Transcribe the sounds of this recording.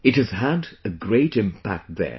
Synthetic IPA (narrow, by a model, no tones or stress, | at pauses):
ɨt̚hɨz̥ədɨɡɹeɪɾɪ̃mpʰæ̰k̚t̪̚ðə̰˞